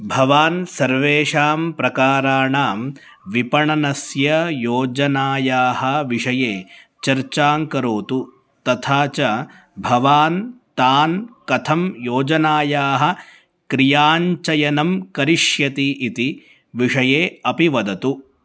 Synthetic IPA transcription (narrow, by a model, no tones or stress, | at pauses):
bʱɐʋaːnsɐɾʋeːʂaːmpɾɐkaːɾaːɳaːm | ʋipɐɳɐnɐsjɐjoːd͡ʒɐnaːjaːɦɐʋiʂɐjeː | t͡ʃɐɾt͡ʃaːŋkɐɾoːt̪u | t̪ɐt̪ʰaːt͡ʃɐ | bʱɐʋaːnt̪aːnkɐt̪ʰɐmjoːd͡ʒɐnaːjaːɦɐ̆ | kɾijaːɲt͡ʃɐjɐnɐmkɐɾiʂjɐt̪iʔit̪i | ʋiʂɐjeːɐpiʋɐd̪ɐt̪u